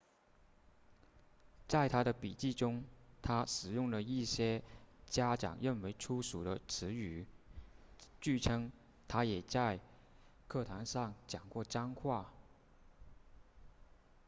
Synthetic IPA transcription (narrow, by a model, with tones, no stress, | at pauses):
t͡sa˥˩ɪt̪ʰa˥ɾə˨pi˨˩t͡ɕi˥˩ʈ͡ʂʊ˥ŋt̪ʰa˥ʂɻ̩˨˩jʊ˥˩ŋlə˩i˥˩ɕjɛ˥t͡ɕja˥ʈ͡ʂɑ̰˨˩ŋɻə˥˩nwe˧˥ɪʈ͡ʂʰu˥ʂu˨˩d̪ə˦ʈ͡ʂʰɻ̩˧˥y˨˩ | t͡ɕy˥˩ʈ͡ʂʰɤ˥ŋ | t̪ʰa˥jɛ˨˩t͡sa˥˧ɪ | kʰɤ˥˩t̪ʰa˧˥nʂɑ˥˩ŋt͡ɕjɑ˨˩ŋkwɔ˥˩ʈ͡ʂɑ˥ŋkʰwa˥˩